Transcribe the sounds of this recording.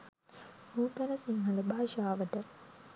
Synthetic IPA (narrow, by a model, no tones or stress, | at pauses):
muːkɐnəsiŋɦɐləbʱaːʃaːʋəʈə